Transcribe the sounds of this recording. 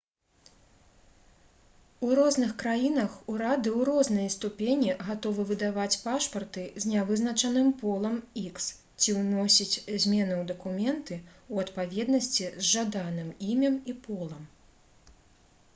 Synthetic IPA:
uɾɔznɨxkɾajinɐxuɾad̪ɨwɾɔznɐjɐst̪upʲenʲiɣat̪ɔvɨvɨd̪avat͡sʲpaʂpɐrt̪ɨzʲnʲavɨznɐt͡ʂɐnɨmpɔlˠɐmiks | t͡sʲiwnɔsʲit͡sʲzʲmʲɛnuwd̪ɐkumʲɛnt̪ɨuɐt̪pavʲɛd̪nɐsʲt͡sʲizʐad̪anɨmimʲɐmipɔlˠɐm

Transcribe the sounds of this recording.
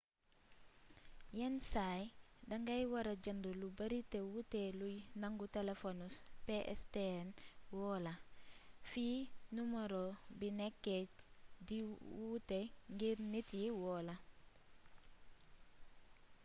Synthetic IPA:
jɛnsajdɐŋɡɐjwaɾad͡ʒɐndulubɐɾitewutelujnaŋɡutelefonuspeʔɛ̰stenwɔːla | finumɐɾobinɛkːediwuteŋɡiɾnitjiwɔːlɐ

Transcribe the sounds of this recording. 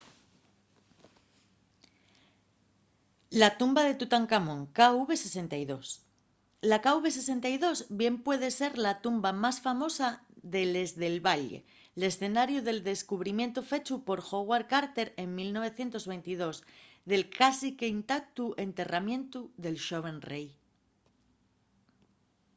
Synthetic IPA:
lat̪umbaðe̞t̪ut̪aŋkamõŋkauβe̞se̞se̞nt̪ajðo̞s | lakauβe̞se̞se̞nt̪ajðo̞zbje̞mpwe̞ð̞e̞se̞ɾlat̪umbamasfamo̞saðe̞le̞zðe̞lβaʎḛ | le̞sθe̞naɾjuðe̞ld̪e̞skuβ̞ɾimje̞nt̪ofe̞t͡ʃupo̞ɾxo̞ɣwaɾkaɾt̪e̞ɾe̞ŋmilno̞β̞e̞θje̞nt̪o̞zβe̞jnt̪ið̞o̞zðe̞lkasikeint̪ak̚t̪uʔe̞nt̪e̞ramjẽ̞nt̪uðe̞lʃoβe̞nrej

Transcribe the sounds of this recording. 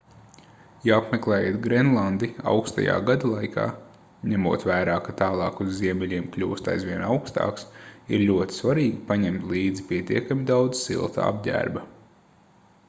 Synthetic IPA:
jaapmɛklˠɛːjeːt̪ɡɾɛnlˠand̪ia̰wkst̪a̰ja̰ːɡad̪alˠajkʰa̰ː | ɲæmṵɔt̪ʋæːɾaːkat̪aːlˠɑːkuzːiɛmʲɛlʲiɛmkʎʲṵːst̪a̰jzʋʲiɛnawkst̪a̰ːksḭɾlʲuɔt̪i̥svaɾiːɡipaɲɛmt̪lʲˠiːd̪zipʲiɛt̪iɛkamʲid̪awd̪zsḭlˠt̪a̰a̰b̚ʲɟʲæ̰ːɾbɐ

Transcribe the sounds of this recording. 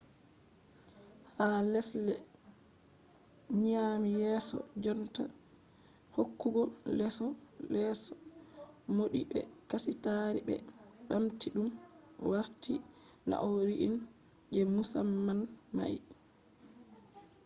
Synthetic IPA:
halɛslɛ | ɲaːmijɛsɔ̰d͡ʒɔnta | hokːuɡɔlɛsɔ | lɛsɔ | moɗibɛ̰kasitaɾibɛ̰ | ɓamtiɗum | waɾti | na̰ʔɔɾiʔin | d͡ʒɛmusamːanma̰ji

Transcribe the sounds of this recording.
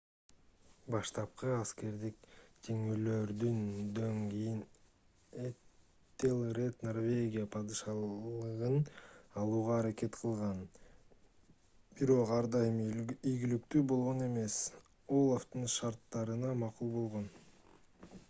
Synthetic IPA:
bɑʃt̪ɑp̚qɯɑske̞ɾd̪ikt̪ʰeŋyːløɾd̪ynd̪øŋɡijin | e | t̪ːelˠret̪norvʲe̞ɡʲijapʰɑd̪ɯʃɑɯʁɯnɑlˠuːʁɑːɾake̞t̪qʰɯlˠʁɑn | biɾo̞qɑɾd̪ɑjmijɡʲilyk̚t̪yːbo̞lˠʁo̞ne̞me̞s | o̞lˠaft̪ɯnʃɑɾt̪ːɑɾɯnɑmɑqulˠbo̞lˠʁo̞n

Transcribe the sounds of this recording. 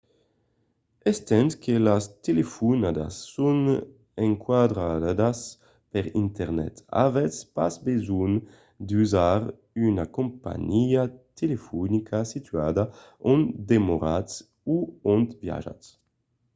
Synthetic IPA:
ɛst̪ɛnt̪kʰelast̪elefunad̪a̰sːun | eŋkwad̪ɾad̪as | pɛʁint̪ɛʁnɛ̰t̪a̰vɛspa̰sbezun | d̪uzaɾ | ynakõmpa̰ɲiat̪elefunikʰasit̪yad̪a | ɔnd̪emoɾats | uɔnt̪bja̰ʒa̰ts

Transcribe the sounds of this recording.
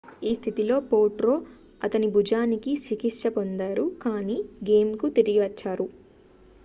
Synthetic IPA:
iːst̪ʰit̪ilo̞ːpoːʈɾo̞ː | ɐt̪ɐnibʱud͡ʒaːnikiʃikiʈʂɐpond̪aːɾukaːniːɡe̞ːmkut̪iɾiɡiʋɐt͡ʃːaːɾu

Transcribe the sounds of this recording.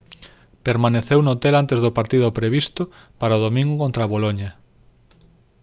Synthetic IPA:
peɾmaneθewnot̪elant̪ezðʊpaɾt̪iðʊpɾeβist̪ʊ | paɾaoð̞omĩŋɡʊkõnt̪ɾaβoloɲɐ

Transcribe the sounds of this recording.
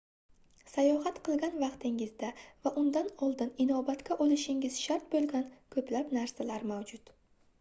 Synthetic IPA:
sajɒɦat̪qʰɨlˠɡʲanvɑqt̪ʰɪŋɪzd̪avaʔʊnd̪anɒlˠd̪ɪnɪnɒbat̪kʲaʔolɪʃɪŋɪz̥ʃaɾt̪̚bolˠɡʲankʰɵplapnaɾsalaɾmawd͡ʒʊt̪

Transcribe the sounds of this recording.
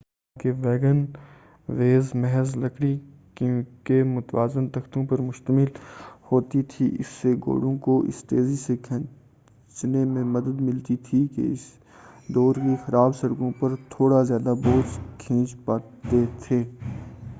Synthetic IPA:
keʋɛːɡən | ʋeːzmɛɦəzlɐkɽi | kkemʊt̪ʋaːzɪnt̪ɐxt̪õpɐɾmʊʃt̪əmɪlhoːt̪it̪ʰḭɪ̰sːeɡo̰ːɽõkoʔɪ̰st̪eːzisekʰɛ̃ː | t͡ʃnemẽmɐd̪əd̪mɪlt̪it̪ʰikḛɪs | d̪ɔːɾkixɐɾaːbsɐɽkõpɐɾt̪ʰoːɽazjaːd̪aboːskʰĩːt͡ʃpaːt̪et̪ʰeː

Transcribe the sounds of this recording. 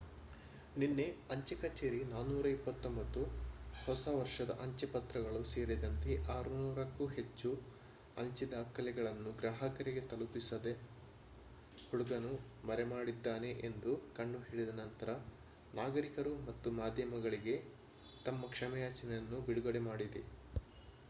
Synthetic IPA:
ninːe̞ɐɲt͡ʃɐkɐt͡ʃeːɾinaːnuːɾɐipːɐt̪ːombɐt̪ːuhɔsɐʋɐɾʂɐd̪ɐ̰ʔɐɲt͡ʃɐpɐt̪ɾɐɡɐɭuseːɾid̪ɐnt̪e̞ʔaːɾunuːɾɐkːuɦe̞t͡ʃːu | ɐ̰ɲt͡ʃid̪aːkʰɐlɛɡɐɭɐnːuɡɾaːɦɐkɐɾiɡe̞t̪ɐlupisɐd̪e | huɽuɡɐnu | mɐɾemaːɽid̪ːaːne̞ʔend̪ukɐɳɖuɦiːɭid̪ɐnɐnt̪ɐɾɐ | naːɡɐɾikɐɾumɐt̪ːumaːd̪ʱjɐmɐɡɐɭiɡe̞ | t̪ɐmːɐkʂɐmɐjaːt͡ʃɐnɛjɐnːubiɽuɡɐɽemaːɽid̪e

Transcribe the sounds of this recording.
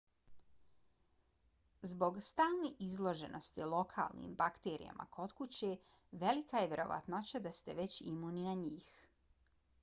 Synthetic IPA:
zbo̞ɡst̪aːlˠneʔizlˠo̞ʒe̞nʔost̪ilˠo̞kʰa̰ːlˠnḭːmbakt̪eːɾḭa̰mʔa̰kʰo̞t̪kut͡ɕe | ʋe̞likajeʋʲje̞ɾo̞̰ʋa̰t̪not͡ɕad̪ast̪eʋe̞t͡ɕimuninaɲiːx

